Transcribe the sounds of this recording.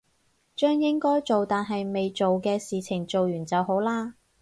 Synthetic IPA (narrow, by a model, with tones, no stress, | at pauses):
t͡ʃœː˥ŋjɪ˥ŋkɔː˥jt͡ʃo˨wt̪aː˨nɦɐ˨jme˨jt͡ʃo˨wkɛː˧siː˨t͡sʰɪ˨˩ŋt͡so˨wjyː˨˩nt͡sɐ˨wɦo˨˥wlaː˥